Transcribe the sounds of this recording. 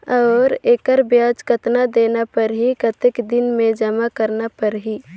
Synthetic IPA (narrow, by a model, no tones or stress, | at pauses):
ɔːɾeːkəɾbjaːd͡ʒkət̪nad̪eːnapəɾɦikət̪ekd̪ɪnmẽd͡ʒəmakəɾnapəɾɦi